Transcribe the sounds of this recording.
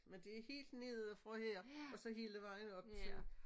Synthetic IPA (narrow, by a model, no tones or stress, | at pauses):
mend̥e̝æɐhe̝̰ːld̥ne̝ðˠæfʁɒ̽heɐ̰ɒ̽sɒ̽ɦiləʋɑ̈ɪnəɒ̽b̥̚t͡sʰe̝l